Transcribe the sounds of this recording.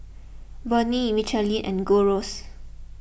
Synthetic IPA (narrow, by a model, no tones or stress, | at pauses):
bənimit͡ʃəlĩnʔɛ̰̃nɡoɹos